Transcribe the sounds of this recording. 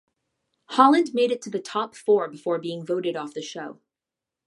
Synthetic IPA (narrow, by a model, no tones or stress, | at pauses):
hɑlˠɨ̃ndmeɪɾɨtʰɨðɨtʰɑpfɔɹbɨfɔɹbiɪ̃ŋvoʊɾɨɾɔfðɨʃoʊ